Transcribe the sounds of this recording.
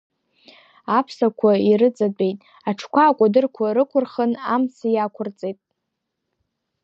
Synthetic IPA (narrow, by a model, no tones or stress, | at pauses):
apʰsakʷʰairɨt͡sʼadʼe̞jtʼ | aʈ͡ʂʰkʷʰaːkʷʼadɨrkʷʰaɾɨkʷʰʊrχənamsijakʷʰʊrt͡sʼejtʼ